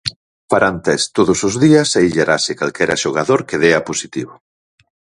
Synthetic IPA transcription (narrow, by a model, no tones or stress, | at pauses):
paɾant̪ɛst̪oðʊsʊzðiɐsaiʎaɾʔasɪkalkɛɾaʃoɣ̞aðoɾkeðeɐposit̪iβo